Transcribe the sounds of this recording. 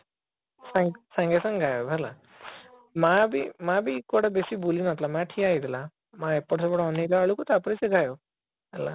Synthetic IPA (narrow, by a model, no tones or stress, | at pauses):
sãŋɡsãŋɡesãŋɡʱajobʱɛla | mabʱimãbʱikːoɽabesibulinat̪lamãʈʰiaid̪la | maepːɔʈsɔbəɽɔniɾaəɭukot̪apɽiseɡʱajo | əla̰